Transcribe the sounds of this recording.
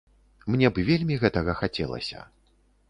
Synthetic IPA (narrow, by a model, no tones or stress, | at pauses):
mnʲɛbɨvʲelʲmʲiɣɛt̪ɐɣɐxat͡sʲɛlˠɐ̰sʲɐ̰